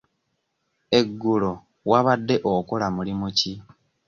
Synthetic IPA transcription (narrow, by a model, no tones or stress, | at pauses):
e̞ɡːulo̞ | waβadːe̞ʔokolamulimuci